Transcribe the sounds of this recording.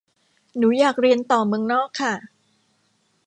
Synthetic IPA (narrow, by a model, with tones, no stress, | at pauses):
nuː˩˦jaː˨˩k̚ɾi˧ənt̪ɔː˨˩mɯ˧əŋnɔː˥˩kʰːa˥˩